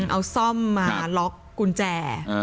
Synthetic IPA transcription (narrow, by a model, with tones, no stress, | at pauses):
ʔa˧wsɔ˥˩mːaː˧lɔ˦˥kːu˧nt͡ɕɛː˧˩